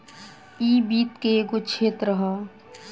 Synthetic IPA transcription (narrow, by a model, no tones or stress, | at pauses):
iːbiːt̪keɡot͡ʃʰeːt̪ɾəɦə